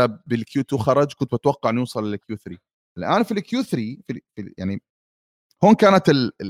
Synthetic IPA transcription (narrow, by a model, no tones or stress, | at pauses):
abɪlkjuːt̪uxɑɾˤɑd͡ʒkʊnt̪bɪt̪wɑqːɑʕɪnjuːsˤɑlːɪlɪkjuːθɾi | ʔɪlʔaːnfilɪkjuːθɾififḭja̰ʕni | hoːnkaːnat̪ɪl